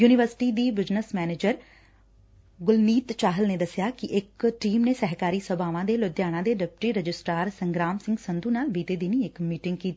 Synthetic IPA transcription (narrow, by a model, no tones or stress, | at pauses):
juːnɪʋəɾsɪ̥ʈiːd̪iːbɪznəsmɛːneːd͡ʒəɾ | ɡʊlniːt̪t͡ʃaːɦəlneːd̪əsɪjaːkɪʔɪkʈiːmneːsɛɦkaːɾiːsəbaːʋãːd̪eːlʊd̪jaːɽ̃ãːd̪eːɖɪp̚ʈɾiːɾəd͡ʒɪsʈaːɾsə̃ŋɡɾaːmsɪ̃ŋɡsənd̪uːnaːlbiːt̪eːd̪iniːɪkmiːʈɪ̃ŋɡ̚kiːt̪a